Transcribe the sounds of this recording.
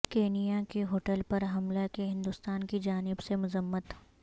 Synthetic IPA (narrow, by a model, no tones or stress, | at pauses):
keːnijakiɦoːʈəlpɐɾɦɐmlakeɦɪ̃nd̪ʊst̪aːnkid͡ʒaːnɪbsemʊzəmːət̪ɦ